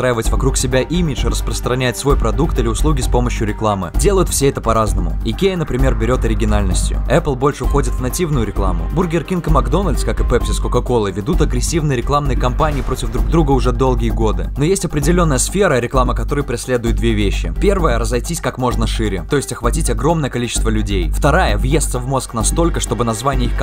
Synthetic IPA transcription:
sst̪ɾajɪvətʲvɐkɾuksʲɪbʲaʔimʲɪt͡ʂɨrəspɾəst̪ɾɐnʲæɪt̪svo̞jpɾɐd̪ukt̪ɨlʲɪʊslˠuɡʲɪspo̞məɕjʊɾʲɪklˠamɨ̰dʲe̞lˠəjʊt̪fsʲeɛt̪əpɐɾaznəmʊ̰ɪkʲenəpɾʲɪmʲe̞rbʲɪɾʲo̞t̪ɐɾʲɪɡʲɪnalʲnəsʲtʲjʊ̰ɛplˠbo̞lʲʂɨxo̞dʲɪt̪vnɐtʲivnʊjʊɾʲɪklˠa̰mʊ̰burɡʲɪrkʲinkəmɐɡd̪o̞nəlʲt̪skakɨpɛpsʲɪskʊkɐko̞lˠɨvʲɪd̪ut̪ɐɡɾʲɪsʲːivnɨjəɾʲɪklˠamnɨjəkɐmpanʲɪːpɾo̞tʲɪvd̪ɾuɡ̚d̪ɾuɡəʊʐɛd̪o̞lˠɡʲɪjəɡo̞d̪ɨno̞jesʲtʲɐpɾʲɪdʲɪlʲonːəjəsfʲe̞ɾəɾʲɪklˠaməkɐt̪o̞ɾəjpɾʲɪsʲlʲe̞d̪ʊjɪt̪̚d̪vʲevʲeɕːɪ̰pʲe̞rvəjəɾəzɐjtʲisʲkakmo̞ʐnəʂɨɾʲɪt̪o̞jɪsʲtʲɐxvɐtʲitʲɐɡɾo̞mnəjəkɐlʲit͡ɕɪst̪vəlʲʉdʲejft̪ɐɾajəvjest̪səvmo̞sknɐst̪o̞lʲkəʂt̪o̞bɨnɐzvanʲɪjəixk

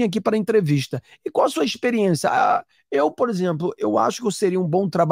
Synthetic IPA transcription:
ak̬ipɾɐẽnt̪ɾeviʃt̪ɐ | ɪkãw̃ɐsuɐiʃpeɾiẽsjɐ̰a̰ | ewpoɾezẽmplʊʔewa̰ʃʊ̥kewseɾiɐũbõw̃t̪ɾab

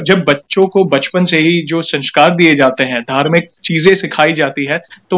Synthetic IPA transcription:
d͡ʒɐbːɐtːʃõkobɐt͡ʃpənseɦid͡ʒoːsɐ̃nʃkaːɾd̪ied͡ʒaːt̪eɦɛ̃d̪ʱaːɾmɪk̚t͡ʃiːzẽsɪkʰaːid͡ʒaːt̪iɦɛt̪o

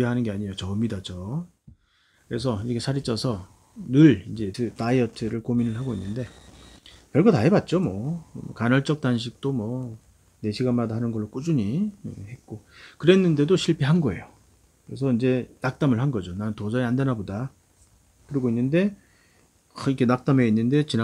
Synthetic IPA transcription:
eɦanɯnɡe̞aɲijot͡ɕʌmidad͡ʑo | kɯɾe̞s̬ʰʌiiɡesʰaɾit͡ɕ͈ʰʌsʰʌ | nɯɭind͡ʑe̞tʰɯtaiʌtʰɯɾɯɭkominɯɭɦaɡoinːɯnde̞ | kjʌɭɡʌtaɦebat̚t͡ɕ͈omwʌkanʌɭt͡ɕ͈ʌk̚t͈anɕ̬ʰik̚t͈omwʌ | ne̞ɕʰiɡamadaɦanɯnɡʌɭːok͈ud͡ʑuɲihe̞t̚k͈okɯɾe̞nːɯnde̞doɕʰiɭpʰiɦanɡʌe̞̰jo | kɯɾe̞sʰʌind͡ʑe̞nak̚t͈amɯɭɦanɡʌd͡ʑonanntod͡ʑʌiandenaboda | kɯɾiɡoinːɯnde̞ | ikʰe̞nak̚t͈ame̞inːɯnde̞t͡ɕina

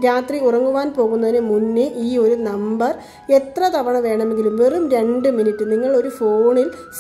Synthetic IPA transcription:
ɾaːt̪riurɐŋːuʋaːnpo̞ːɣunːɐðinɨmunːɨʔiːo̞ɾunɐmbɐr | e̞t̪rɐt̪ɐʋɐɳɐʋe̞ːɳɐme̞ŋɡilumʋe̞rumɾe̞ɳɖɨminitːɨniŋːɐɭo̞ɾufo̞ːɳils

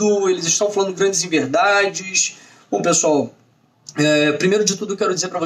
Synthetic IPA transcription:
ʊelɪzɪʃt̪ɐ̃w̃falɐ̃d̪ʊɡɾɐ̃d͡ʒɪzĩveɾd̪ad͡ʒɪʃ | b̥õpesuaw | ɛpɾimejɾʊd͡ʒɪt̪ud̪ʊkɪkɛɾʊd͡ʒizeɾpɾɐvo

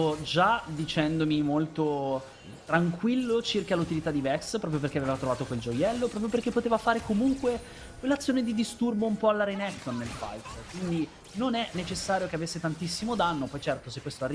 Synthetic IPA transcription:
od͡ʒad̪it͡ʃɛnd̪omimolt̪o | t̪ɾaŋkwilːot͡ʃirkalut̪ilit̪ad̪ivɛkspɾɔːpɾjopeɾrk̟eavevat̪ɾovaːt̪okweld͡ʒojɛlːopɾɔːpɾjoperk̟epːot̪eːvafaːɾekomuŋkwe | kwelːat̪sːjoːned̪id̪ist̪urboumpɔalːaɾenɛkt̪onːelfa̰jt̪kwind̪i | nonɛnet͡ʃesːaːɾjokeavesːet̪ant̪isːimod̪anːopɔjt͡ʃɛrt̪osekːwest̪oarːi

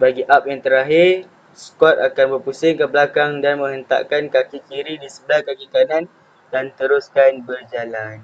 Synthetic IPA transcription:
baɡiʔap̚jaŋt̪əɾaɦɪr | skɔt̪̚akanbərpusɪŋkəbəlakaŋdanmə̃ŋɦənt̪a̰ʔkankakikiɾidisəbəlahkakikanan | dant̪əɾuskanbərd͡ʒalan

